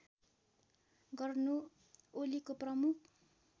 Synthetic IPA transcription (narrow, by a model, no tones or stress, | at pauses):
ɡʌrnu | olikoprʌmukʰ